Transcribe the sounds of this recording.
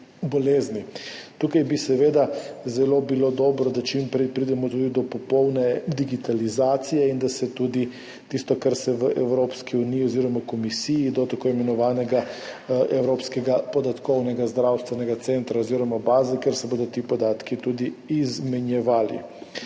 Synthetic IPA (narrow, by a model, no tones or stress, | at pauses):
bɔleːznit̪uːkajbisɛʋeːd̪azɛloːbiloːd̪ɔːbɾɔd̪at͡ʃimpɾipɾid̪ɛmɔt̪ud̪id̪ɔpɔpɔwnɛd̪iɡit̪alizaːt̪sijɛind̪asɛt̪uːd̪i | t̪ist̪ɔkaɾsɛʋəʔɛwɾoːpskiunijiɔziɾɔmakɔmisijid̪ɔt̪akoːimɛnɔʋaːnɛɡa | ɛwɾoːpskɛɡapɔd̪at̪kɔwnɛɡazd̪ɾawst̪ʋɛnɛɡat̪sent̪ɾaoziɾɔmabaːzɛkeɾsɛbod̪ɔt̪ipɔd̪aːt̪kit̪uːd̪iːzmɛnjɛʋaːlḭ